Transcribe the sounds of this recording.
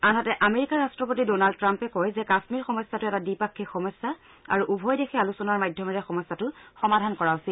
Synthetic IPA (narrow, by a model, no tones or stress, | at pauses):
anɦatɛʔameɹikaɹastɹɔpotidonald̚tɹampɛkɔjzɛkasmiɹxɔmɔsːatʊɛtadipakʰːixɔmɔsːa | a̰ɹuʔubʱɔjdexʰɛalusɔnaɹmajdʱjɔmɔɹɛxɔmɔsːatʊxɔmadʱankɔɹausil